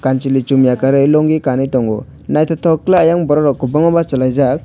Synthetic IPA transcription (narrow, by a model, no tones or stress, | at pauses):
kant͡ʃilit͡ʃumijakaɾɯjlɔŋɡikanit̪ɔŋɡɔ̰ | najt̪ʰɔt̪ʰɔklaajaŋbɔɾɔɾɔkubɔŋɔbat͡ʃalajzak̚